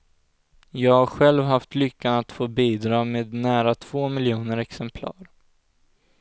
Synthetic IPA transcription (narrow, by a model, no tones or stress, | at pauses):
jɑːɡhaɾɧɛlvɦaft̪lʏkːanat̪foːbiːd̪ɾɑːmeːd̪næːɾat̪ʰv̥oːmɪljuːnəɾɛksɛmpʰlɑ̰ːɾ